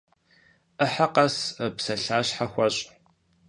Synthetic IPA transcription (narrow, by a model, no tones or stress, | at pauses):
ʔəħaqɐspsɐɬaːɕħaxʷɐɕʼ